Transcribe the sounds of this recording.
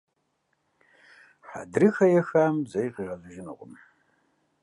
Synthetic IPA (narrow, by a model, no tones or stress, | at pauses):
ħa̰drɨxɐjaxamzɐjqʼiʁazʷʊʒɪnɨ̰qʷʼʊm